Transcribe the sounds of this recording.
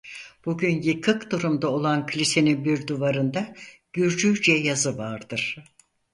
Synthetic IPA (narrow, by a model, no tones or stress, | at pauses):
b̥uɟynjɯkʰɯkd̪uɾumd̪aolˠankʰlʲise̞ninbiɾd̪uvaɾɯnd̪aɟ̥yɾd͡ʒyd͡ʒɛjazɯvaɾd̪̥ɯɾ̥